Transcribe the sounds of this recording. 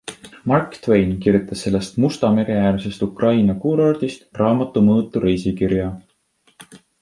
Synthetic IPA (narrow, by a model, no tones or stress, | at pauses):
mɑrkt̪wejnkirjut̪ˑːɑsːe̞lːe̞st̪must̪ɑme̞ɾeæːrse̞st̪ukrɑjnɑkuːɾɑrd̪̥ist̪rɑːmɑt̪ːˑumɤːt̪ːˑuɾejsikiɾjɑ